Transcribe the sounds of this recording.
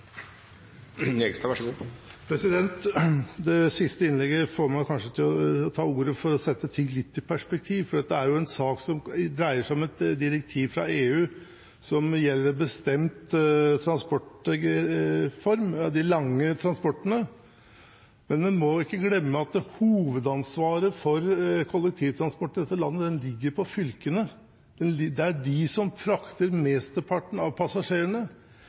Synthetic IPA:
ɛɡst̪ɑʋæʂəɡupʰɾɛsɪd̪ɛnt̪d̪ɛsɪst̪əɪnlɛɡəfoːɾmæɪkʰɑnʂət̪ʰɪlɔt̪ʰɑːuːɾəfɔɾɔsɛt̪ːət̪ʰɪŋːlɪt̪ːɪpʰæʂpɛk̚t̪ʰiːʋfɔɖɛt̪ːəæɾjʊɛnsɑːksɔmd̪ɾæɪəʂæɪɔmɛt̪d̪ɪɾɛk̚t̪ʰiːʋfɾɑ̰eːʉː | sɔmjɛlːəɾbəst̪ɛmt̪t̪ʰɾɑnspɔʈ | fɔɾmd̪ɪlɑŋːət̪ʰɾɑnspɔʈːənə | mɛnmɛnmɔɪkːəɡlɛmːəɑt̪̚d̪huːʋəd̪ɑnsʋɑːɾəfɔɾkʰɔlːɛk̚t̪ʰiːʋt̪ʰɾɑnspɔʈːəd̪ɛt̪ːəlɑnːəd̪ɛnlɪɡːəɾpʰɔfʏlkənə | d̪̥ɛnɪd̪ɛæɖɪsɔmfɾɑkt̪əɾmɛːst̪əpʰɑʈːəɳ̩ɑʋpʰɑsɑʂeːɾəɳə

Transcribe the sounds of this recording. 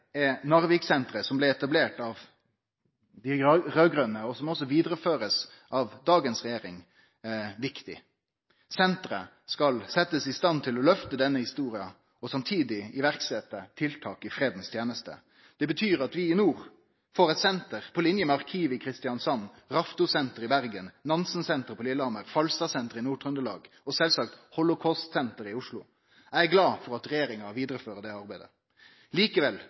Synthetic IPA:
ɛnɑʁʋiksɛnt̪ʁəsɔmblɛɛt̪ɑbleːʈɑʋ | d̪ɪʁøːɡʁœnəɔsɔmɔsɔʋiːd̪ʁəføːʁəs | ʔɑːʋd̪ɑːɡənsʁɛjeːʁɪŋ | ʋɪkt̪ɪ̰ | sɛnt̪ʁə | skɑlsɛt̪ːəsɪst̪ɑnt̪ʰɪlɔlœft̪əd̪ɛnːəhɪst̪uːʁɪɑ | ɔsɑmt̪ʰiːd̪ɪɪʋæʁksɛt̪ːət̪ʰɪlt̪ʰɑːkɪfʁeːd̪n̩st̪ʰjeːnəst̪ə̰ | d̪̥ɛbət̪ʰyːʁɑt̪ʋɪɪnuːʁ | foːʁɛt̪sɛnt̪əʁpʰɔlɪnjəmɛɑʁkʰiːʋɪkʰʁɪst̪ɪjɑnsɑnː | ʁɑft̪ʊsɛnt̪əʁɪbæʁɡənnɑnsn̩sɛnt̪əɾpʰɔlɪlɑməʁfɑlst̪ɑːsɛnt̪əʁɪnuːʈʰʁʉnd̪əlɑ̰ːɡ | ɔsɛlsɑk̚t̪hɔlʊkʰɔst̪sɛnt̪əɾɪʊʂlʊ̰ | æɡlɑːfɔʁɑt̪ʁɛjeːɾɪŋɑʋiːd̪ɾəføːʁəd̪ɛɑʁbæɪd̪ə̰ | liːkəʋɛl

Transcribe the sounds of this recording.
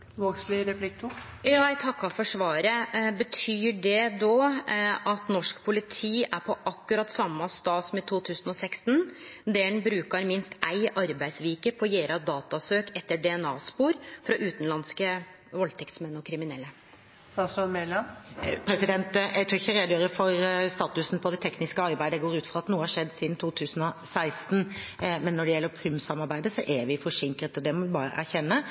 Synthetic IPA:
ʋoɡslɪɾɛplɪk̚t̪ʰʊ | jɑːæɪt̪ʰɑkːɑfɔʂʋɑːɾəbət̪ʰyːɖɛd̪o | ɑt̪nɔʂkpʰʊlɪt̪ʰiːæɾpʰɔʔɑkːʉɾɑt̪ːsɑmːɑst̪ɑːsɔmɪt̪ʰuːt̪ʰʉːsənɔsɛkst̪nd̪ɛɳbɾʉːkɑɾmɪnst̪æɪʔɑɾbæɪsʋiːkəpʰɔjeːɾɑd̪ɑːt̪ɑsøːkʰɛt̪ːəɖɛɛnɑ̰ːspuːɾfɾɑʔʉːt̪nlɑnskə | ʋɔlt̪ʰɛkt̪smɛnːɔkʰɾɪmɪnɛlːə | sɑsɔnmɛlɑpʰɾɛsɪd̪ɛnt̪jæɡt̪ʰʊɾɪçːəɾeːd̪jøːɾəfɔɾst̪ɑːt̪ʉsn̩pʰɔd̪ɛt̪ʰɛknɪskəɑɾbæɪd̪əɡoːɾʉːt̪fɾɑːɑt̪nuːəhɑʂɛd̪ːsiːd̪n̩t̪ʰuːt̪ʰʉːsn̩ɔsæɪst̪nmɛnːɔɖɛjɛlːəɾpʰɾʉmsɑmɑɾbæɪd̪əsɔʔæʋɪfɔʂɪŋkɾət̪ɔd̪ɛmɔʋɪbɑːɾə̰ʔæ̰ɾçɛnːə

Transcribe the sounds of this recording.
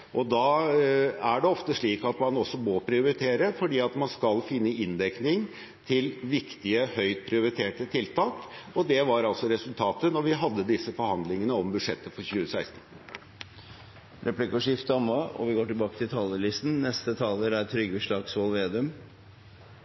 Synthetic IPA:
ʔɔd̪ɑː | æɖɛɔft̪əʂɭiːkɑt̪mɑnɔsːɔmoːpʰɾɪʊɾɪt̪ʰeːɾəfɔɖiːɑt̪mɑnskɑlfɪnːəɪnd̪ɛknɪŋ | t̪ʰɪlʋɪkt̪ɪəhœʏt̪̚pʰɾɪʊɾɪt̪ʰeːʈət̪ʰɪlt̪ʰɑːkɔd̪ɛʋɑɾɑlsɔɾɛsʉlt̪ʰɑːt̪ənɔɾʋɪɦɑd̪ːəd̪ɪsːəfɔɾhɑnd̪lɪŋənəɔmbʉd̪ʂɛt̪ːəfɔɾçʉːəsæɪst̪n̩ | ɾɛplɪkɑʂɪft̪ɑmɑɔ̰ʋɪɡoːʈɪlbɑːkə̥t̪ʰɪlt̪ʰɑːləlɪst̪n̩nɛst̪ət̪ʰɑːləɾæt̪ʰɾʏɡːəʂɭɑɡsʋɑlʋeːd̪œm

